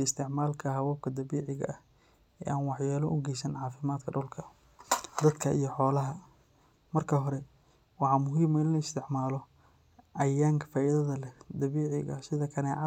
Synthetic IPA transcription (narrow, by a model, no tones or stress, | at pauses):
ɪst̪ʰɪʕmaːlkʰɐɦɐwɔːb̚kʰɐd̪ɐβiːʕɪɣɐ̰ʔɐh | ɛ̰ːʔaːnwɑħjɛːlɔʔʊɡɛjsɐnʕɑːfɪmaːd̪kʰɐɖʊlkʰɐ | d̪ɐd̪kʰɐʔijɞħɔːlɐɦɐ | mɐrkʰɐɦɔɾɛ | wɑħɑmʊɦiːmɐɪnlɐɪst̪ʰɪʕmaːlɔ | ʔɐjaːŋkʰɐfaːʔiðɐðɐlɛd̪ɐβiːʕɪɣɐ̰sɪðɐkʰɐnɛ